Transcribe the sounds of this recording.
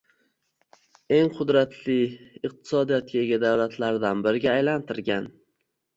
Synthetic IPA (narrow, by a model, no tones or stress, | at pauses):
e̞ŋqʰʊd̪ɾat̪ʰlɪɪq̚t̪ʰɪ̥sɒd̪ijɒt̪̚kʰʲaeɡʲad̪awlat̪ʰlaɾd̪anbɪɾɪɡʲaːjlant̪ʰɪɾɡʲan